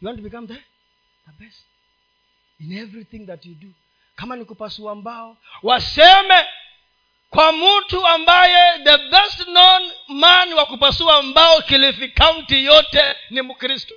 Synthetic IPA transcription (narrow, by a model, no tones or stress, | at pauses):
juwãntubikamðɛ | ðəbɛstt | inɛvɾiθĩŋðatjudu | kamanikupasuambaɔ | wasɛmɛ | kwamm̩utuambajɛðəbɛstnɔnmaniwakupasuambaɔkilifikawuntijɔtɛnimukɾistɔ̥